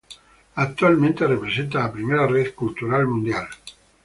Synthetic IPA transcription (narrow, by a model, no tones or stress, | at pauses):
ak̚t̪ualmẽnt̪erepɾesent̪aapɾimeɾareðkult̪uɾalmũnd̪jal